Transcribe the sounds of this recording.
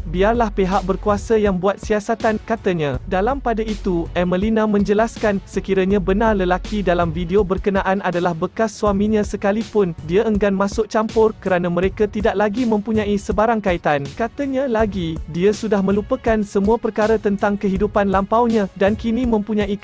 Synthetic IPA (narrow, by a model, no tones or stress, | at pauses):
biarlahpeɦaʔ̚bərkuasajaŋbuat̪̚siasat̪ankat̪əɲãdalampadait̪uʔɛməlinamə̃ɲd͡ʒəlaskansəkiɾaɲãbənarləlakidalamfideobərkənaʔanadalahbəkasːuamĩɲãsəkalipʊndiaəŋɡanmãsʊk̚t͡ʃampʊrkəɾanamə̃ɾekat̪idaʔ̚laɡimə̃mpuɲãisəbaɾaŋkait̪ankat̪əɲãlaɡidiasudahmə̃lupəkansəmũapərkaɾət̪ənt̪aŋkəɦidupanlampawɲãdankinĩmə̃mpuɲãi